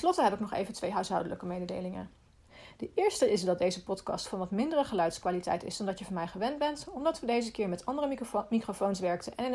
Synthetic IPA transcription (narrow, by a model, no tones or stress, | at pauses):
nslɔtəɦɛbɪknɔχḛjvəntʋejɦœɥsɦɑ̰wdələkəmejdədḛjlɪŋə̰ | d̥əʔɪːɹstəɪsdɑd̚ejzəpɔtkɑ̰stfɑnʋɑtmɪndərəχəlœɥtskʋaːlitɛ̰jtɪ̰sdɔndɑtjəvɑnmɛjχəʋɛndbɛntɔmdɑtʋədejzəkɪːɹmɛtɑndərəmikrofownsʋɛɹk̚tənʔɛnɪn